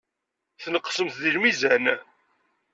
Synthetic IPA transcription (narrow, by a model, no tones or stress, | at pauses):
θnəqːə̥səmθðiɾmizæn